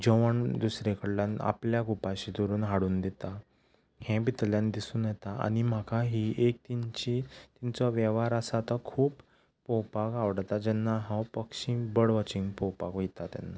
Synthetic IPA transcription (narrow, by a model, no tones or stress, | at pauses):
d͡ʑɔʋəɳd̪usɾekʰəɽlãna̰pljaɡupaɕid̪oɾuːnɦaɽuːnd̪ɛt̪a | hɛ̃bit̪ljand̪isuːnjɛt̪aa̰ɽ̃im̤akʰaɦiːʔek̚t̪int͡ɕit̪int͡sɔʋjɛʋaɾasat̪akʰuːp | pɔwpakaʋɽt̪ad͡ʑɛnːaɦãwpəkɕĩːbəɽʋət͡ɕĩŋɡpɔwpakojit̪at̪ja̰nːa